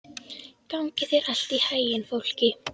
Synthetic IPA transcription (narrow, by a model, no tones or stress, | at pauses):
kawŋkɪθɛɾal̥t̪ihajɪnfowl̥cɪ